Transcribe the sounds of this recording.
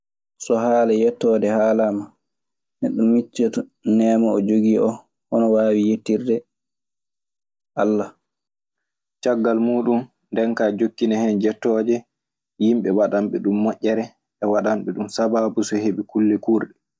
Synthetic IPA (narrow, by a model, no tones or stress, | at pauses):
sɔhaːlɛjɛtːɔːdɛhaːlama | nɛɗumːit͡ʃːɛtnɛmaɔd͡ʒoɡiːʔɔ | ʔɔnɔwaːwijetːiɾdɛ | ʔalːa | t͡ʃaɡːalmuːɗum | ndɛnkaːd͡ʒokːinɛhɛnd͡ʒɛtːɔːd͡ʒɛ | jimɓɛwaɗamɓɛɗumːɔʔʲːɛɾɛ | ʔɛwaɗamɓɛɗumsabaːbusɔheɓikulːɛkuːɾɗɛ